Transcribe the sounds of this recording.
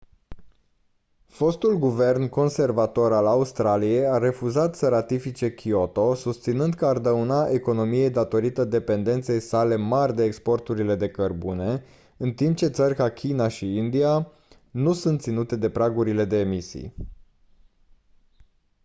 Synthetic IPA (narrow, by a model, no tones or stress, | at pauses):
fo̞st̪ulɡuve̞rnko̞nse̞rvat̪o̞ɾalaust̪ɾalije̞jaɾe̞fuzat̪səɾat̪ifit͡ʃe̞kʲʰio̞t̪o̞sust̪sinɨnd̪kəard̪əunaʔe̞ko̞no̞mije̞jd̪at̪o̞ɾit̪əd̪e̞pe̞nd̪e̞nt̪se̞jsale̞marʲd̪e̞ːkspo̞rt̪uɾile̞d̪e̞kərbune̞ | ɨnt̪imp̚t͡ʃe̞t̪sərʲkakʲʰinaʃiind̪ia | nusunt̪sinut̪e̞d̪e̞pɾaɡuɾile̞d̪e̞ːmisḭj